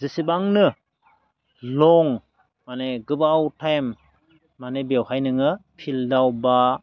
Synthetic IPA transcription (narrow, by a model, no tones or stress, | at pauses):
zisibaŋnɯ | lɔŋ | maneɡɯbawtʰajmː | anebewhajnɯŋɯpʰildawba